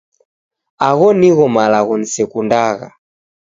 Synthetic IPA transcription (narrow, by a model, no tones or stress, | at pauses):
aɣɔniɣɔmalaɣɔnisɛkundaɣa̰